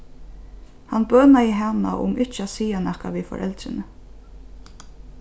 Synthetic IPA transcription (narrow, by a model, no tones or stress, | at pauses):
hanbœːnaɪɦana̰ʔʊ̰mɪht͡ʃɪasiːanɛhkaʋifɔ̰ɾʔɛ̰lt̪ɾɪnə